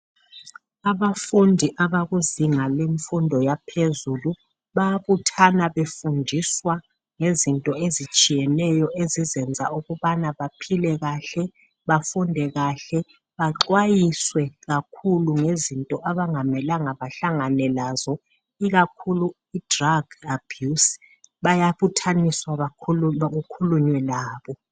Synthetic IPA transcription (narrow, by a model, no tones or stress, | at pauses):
aβafundʱiʔaβaɣuziŋaleɱfundʱɔjapʰezulu | βaβutʰanaβefundʱiswa | ŋezintʼɔezit͡ʃʼijɛnɛjɔʔezizɛnd͡zʱa̰uɣuβanaβapʰilɛɣaɬɛ | βafundʱɛɣaɬɛ | βaǁwajiswɛɣakʰuluŋezintʼɔʔaβaŋamɛlaŋaβaɬaŋanɛlazɔ | iɣakʰulu | id̥raɡab̥ʱjus | βajaβutʰaniswaβaɣukʰuluɲwɛlaːβɔ